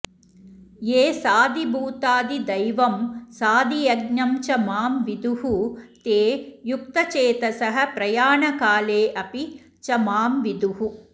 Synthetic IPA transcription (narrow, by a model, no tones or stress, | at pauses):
jeːsaːd̪ibuːt̪aːd̪id̪ɐjʋɐmsaːd̪ijɐɡɲɐmt͡ʃɐmaːmʋid̪uɦut̪eːjuk̚t̪ɐt͡ʃeːt̪ɐsɐɦɐ̆pɾɐjaːɳɐkaːleːʔɐpi | t͡ʃɐmaːmʋid̪uhu